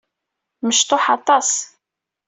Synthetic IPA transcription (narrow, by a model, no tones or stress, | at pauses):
məʃt̪oħɑt̪ˤɑs